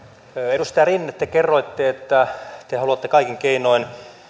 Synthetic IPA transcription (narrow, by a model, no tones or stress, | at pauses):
øedust̪ɑjɑrinːet̪ːekerːoit̪ːeet̪ːæt̪ehɑluɑt̪ːekɑikiŋkeinoin